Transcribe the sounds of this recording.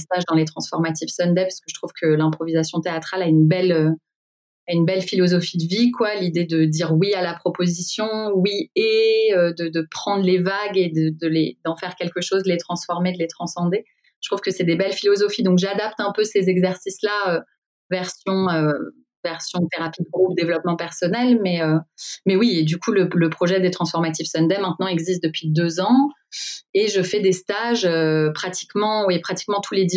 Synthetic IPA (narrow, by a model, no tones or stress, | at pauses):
st̪aʒd̪ɑ̃let̪χɑ̃sfɔʁmat̪ifsɔnd̪ɛpai̥skəʒət̪χuv̥kʰəlɛ̃pχɔvizasjɔ̃t̪eat̪χalaynbɛlø | aynbɛlfilɔzɔfid̪əvikwalid̪ed̪əd̪iʁwialapχɔpozisjɔ̃wieød̪əd̪əpχɑ̃d̪ʁlevaɡed̪əd̪əled̪ɑ̃fɛʁkʲɛlkəʃozd̪əlet̪χɑ̃sfɔʁmed̪əlet̪χɑ̃sɑ̃d̪e̥ | t̪χuv̥kəsɛd̪ebɛlfilɔzɔfid̪ɔ̃kʒad̪ap̚t̪ɛ̃pøsezɛɡzɛʁsislaø | vɛʁsjɔ̃ø | vɛʁsjɔ̃t̪eʁapid̪əɡʁupd̪evlɔpmɑ̃pɛʁsɔnɛlmɛømɛwied̪ykulələpχɔʒɛd̪et̪χɑ̃sfɔʁmat̪ifsɔnd̪ɛmɛ̃t̪nɑ̃ɛɡzist̪̚d̪əpɥid̪øzɑ̃ | eʒəfɛd̪est̪aʒøpχat̪i̥kmɑ̃wepχat̪i̥kmɑ̃t̪ʰuled̪i